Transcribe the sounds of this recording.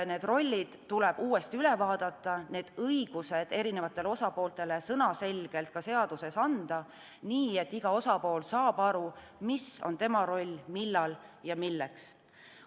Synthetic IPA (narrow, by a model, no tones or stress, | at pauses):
ne̞ːd̪ro̞lʲːid̪̥t̪ːulɛ̞b̥uːe̞st̪iyle̞vɑːd̪̥ɑt̪ːˑɑne̞ːd̪̥ɤiɡ̥use̞d̪̥e̞ɾine̞vɑt̪ːˑe̞leo̞sɑpo̞ːlt̪e̞le̞sɤnɑse̞lʲɡ̥e̞lt̪̚kɑse̞ɑd̪̥use̞sɑnd̪̥ɑ | niːe̞t̪ːiɡ̥ɑo̞sɑpo̞ːlsɑːb̥ɑɾu | misont̪e̞mɑɾo̞lʲːmilːɑljɑmilːeks